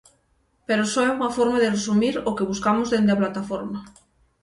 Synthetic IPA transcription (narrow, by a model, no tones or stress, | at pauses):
peɾosoɛuŋafoɾmaðeresumiɾokeβ̞uskamozðend̪eaplat̪afoɾma